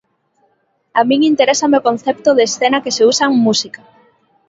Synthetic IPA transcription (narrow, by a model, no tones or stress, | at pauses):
amĩŋint̪eɾesameokon̟θɛpt̪oðeːsθenɐkeseusaŋmusika